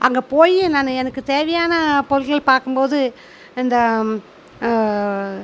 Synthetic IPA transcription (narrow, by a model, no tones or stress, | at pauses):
ʔɐŋɡɐpoːjinɐnɛnɐkːɯt̪eːʋɐjaːnɐpɔɾɣɐɭpaːɾkɯmpoːðɯ | ɪnd̪ɐ